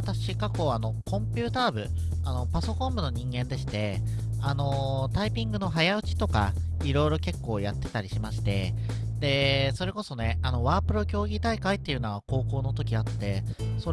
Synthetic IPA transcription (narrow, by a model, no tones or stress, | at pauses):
t̪aɕikako̞ano̞kõ̞mpʲɯ̟ːt̪aːbɯ̟ | ano̞paso̞kõ̞mbɯ̟no̞ɲ̟ĩŋɡẽ̞nd̪e̞ɕi̥t̪e̞ano̞t̪aipʲĩŋɡɯ̟no̞ɦajaɯ̟t͡ɕi̥t̪o̞ka̰iɾo̞iɾo̞ke̞kːo̞ːjat̪ːe̞̥t̪aɾʲiɕimaɕi̥t̪e̞̰d̪e̞so̞ɾe̞ko̞so̞ne̞ano̞βaːpɯ̟ɾo̞kʲo̞ːɡʲit̪aikait̪ːe̞iɯ̟noβako̞ːko̞ːno̞t̪o̞kʲiat̪ːe̞so̞